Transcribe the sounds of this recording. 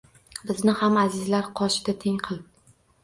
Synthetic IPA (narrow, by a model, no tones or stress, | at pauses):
bɪznɪhamazɪzlaɾqʰɒʃɪd̪at̪ʰe̞ŋqʰɨlˠd̪ɪ